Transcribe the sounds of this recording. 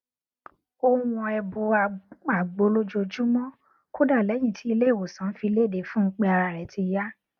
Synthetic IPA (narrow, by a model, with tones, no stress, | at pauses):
o˧wũ˧ɛ˧bo˧a˧k͡pa˨ɡ͡bo˧˦lo˦d͡ʒo˧d͡ʒu˦mɔ̃˦ | ko˦da˦˨lɛ˨˦j̃ĩ˦˨tʰi˨˦i˧le˦i˦˨wo˨sã˨˦fi˧le˦˨de˨fũ˦˧k͡pɛ˧a˧ɾa˧˨ɾɛ˨˦ti˧ja˦